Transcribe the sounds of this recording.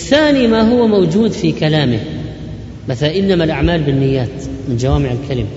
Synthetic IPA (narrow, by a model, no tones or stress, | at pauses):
ʔɪθːaːnimaɦʊwːamawd͡ʒuːd̪fikalaːmɪ | maθaʔɪlnamalʔaʕmaːlbɪnːɪjːaːt̪ | mɪnd͡ʒawaːmɪʕɪlkalɪma